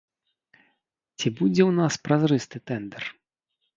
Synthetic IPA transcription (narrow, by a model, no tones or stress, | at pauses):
t͡sʲibud͡zʲɛwnaspɾazɾɨst̪ɨt̪ɛnd̪ɛr